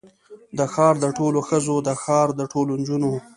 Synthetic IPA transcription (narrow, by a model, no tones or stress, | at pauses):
d̪əxɑɾd̪əʈoloxəzod̪əxɑɾd̪əʈʰolond͡ʒuno